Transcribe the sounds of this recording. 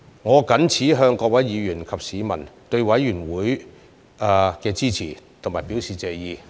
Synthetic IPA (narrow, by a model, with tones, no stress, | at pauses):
ŋɔː˨˧kɐ˨˥nt͡sʰiː˨˥ɦœː˧ŋkɔː˧k̚wɐ˨˥jjiː˨˧jyː˨˩nkʰɐ˨p̚siː˨˧mɐ˨˩nt̪ɵ˧ɥwɐ˨˥jːyː˨˩nwuː˨˥j | ʔa˧kɛː˧t͡siː˥t͡sʰiː˨˩t̪ʰʊ˨˩ŋmaː˨˩jpiː˨˥wsiː˨t͡sɛː˨˧jiː˧